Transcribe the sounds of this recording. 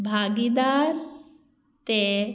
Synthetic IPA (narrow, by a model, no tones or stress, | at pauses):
bʱaːɡid̪aɾ | t̪e